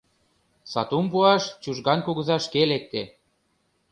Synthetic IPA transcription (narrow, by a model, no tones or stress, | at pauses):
sɑ̰t̪umpuɑʃt͡ɕuʒɣɑnkuɣə̆zɑʃkelek̚t̪e